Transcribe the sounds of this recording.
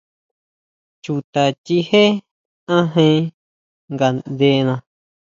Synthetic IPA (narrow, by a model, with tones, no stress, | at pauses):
t͡ʃu˨t̪a˨t̪ʲi˧he˦ | ã˦ɦẽ˧˦ | ŋɡa˨d̪e˧˦˧nã˧